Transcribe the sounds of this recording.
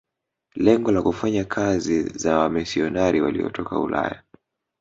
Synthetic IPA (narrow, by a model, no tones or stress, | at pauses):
lɛŋɡɔlakufaɲakʰazizawamisiɔnaɾiwa̰liɔ̰tʰɔka̰ṵla̰ja